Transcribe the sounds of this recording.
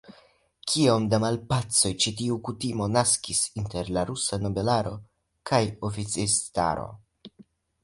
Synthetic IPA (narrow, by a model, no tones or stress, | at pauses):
kʰiomdamalpat͡so̞jt͡ʃitiukutimo̞naskisinte̞ɾlaɾusano̞be̞laɾo̞ | kʰajo̞fit͡sista̰ɾo̞̰